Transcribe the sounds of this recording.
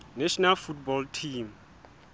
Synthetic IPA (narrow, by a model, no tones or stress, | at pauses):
nɛʃɔnalfutbɔltʰim